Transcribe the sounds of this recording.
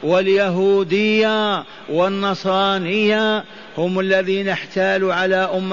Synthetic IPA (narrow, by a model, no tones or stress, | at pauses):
wɪljaɦuːd̪ɪjːa | wɪnːɑsˤɾˤɑːnɪjːa | hʊmalːaðiːnɪħt̪aːluːʕalaːʔʊmː